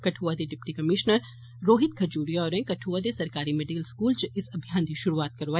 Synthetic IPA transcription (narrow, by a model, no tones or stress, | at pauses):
kɐʈʰuːʋad̪eɖɪpʈikɐmɪʃnəɾː | oːɦɪt̪̚kʰɐd͡ʒuːɾijɔːɾẽkɐʈʰuːʋad̪esɐɾkaːɾimeːɖikəlskuːlt͡ʃɪsɐbʱjãːnd̪iʃʊɾuaːt̪̚kɐɾʋaː